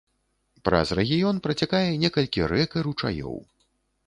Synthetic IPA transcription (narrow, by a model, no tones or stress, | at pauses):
pɾɐ̰zrɛɣʲijɔnpɾɐt͡sʲakajɛnʲɛkɐlʲkʲiɾɛkɐɾut͡ʂa̰jɔ̰w